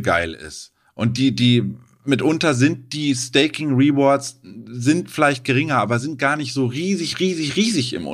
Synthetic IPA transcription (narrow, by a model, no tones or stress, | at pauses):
ɡa̰ɪlɪ̰st | ʔʊnt̚d̥iːdiː | mɪtʔʊntɐzɪnt̚d̥iːstɛɪkɪŋʁiːbɔɐtszɪntfɪlaɪçt̚ɡ̥əʁɪŋɐʔaːbɐzɪnt̚ɡ̥aːɐnɪçtz̥oːʁiːzɪçʁiːzɪçʁiːzɪçɪ̰mʔʊ̰